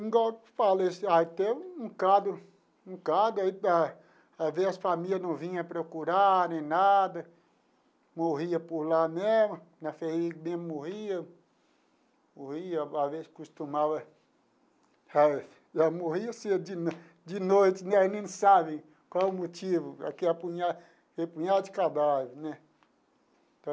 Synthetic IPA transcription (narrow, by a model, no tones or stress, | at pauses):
ĩɡɔfalesait̪eũũkad̪ʊ | ũkad̪ʊaia | aveɐsfamiljɐnɐ̃w̃vĩɲɐpɾokuɾanẽj̃nad̪ɐ | moɦiɐpoɾlamezmʊnɐfeimẽmʊmohiɐ | mohiɐavezkust̪umavɐ | a | ʒamoɦiɐsed͡ʒɪn | d͡ʒɪnojt͡ʃɪnɛnẽnsabẽj̃ | kwawʊmot͡ʃivʊa̰kiɐpuɲa | hepũɲad̪ɐd͡ʒɪkad̪aveɾnɛ | t̪ɐ̃